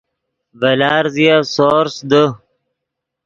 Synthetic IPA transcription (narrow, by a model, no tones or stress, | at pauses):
vɐlaːɾzijasoːɾsd̪ə